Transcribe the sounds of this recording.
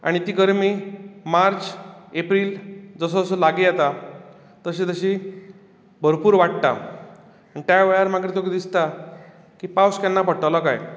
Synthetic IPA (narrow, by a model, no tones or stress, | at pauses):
a̰ɽ̃it̪iːɡəɾmimaɾt͡sepɾiːld͡zəs̬ɔəsɔlaɡejat̪a | t̪əɕit̪əɕi | bʱəɾpuːɾʋaʈ̚t̪a̰ | ɳit̪jaʋeɭaɾmaɡɾit̪okid̪ist̪a | kiːpawskanːapəʈəlakaj